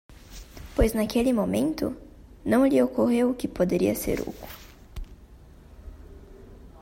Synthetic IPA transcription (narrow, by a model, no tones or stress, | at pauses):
pojznakelɪmomẽnt̪ʊ̰ | nɐ̃w̃ʎɪokoɦewʊkɪpod̪eɾḭɐsḛɾṵku